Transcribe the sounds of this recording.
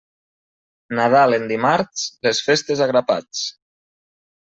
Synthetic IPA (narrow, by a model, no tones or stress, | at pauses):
naðalend̪imaɾslesfest̪ezaɣɾapa̰t͡s